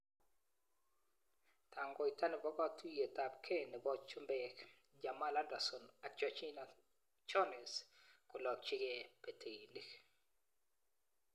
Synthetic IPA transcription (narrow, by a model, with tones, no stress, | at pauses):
ta˨ŋɡɔ˨i˨ta˦nɪ˨bɔ˦ɡɔ˦˨tu˦je˨ta˨pkʰe˦˨nɪ˨bɔ˦t͡ʃʊ˦mbɛ˦k | d͡ʒa˨ma˦la˦da˨sɔ˨na˨t͡ʃɔ˦t͡ʃi˦na | t͡ʃɔ˦nɛ˨skʊ˨lɔ˨k̚t͡ʃɪ˦ke˦pe˨te˨i˨ni˨k